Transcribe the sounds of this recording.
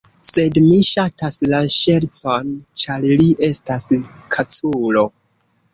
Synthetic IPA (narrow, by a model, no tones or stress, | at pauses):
se̞dmiʃataslaʃe̞ɾt͡sont͡ʃaɾliʔe̞staskʰat͡sulo̞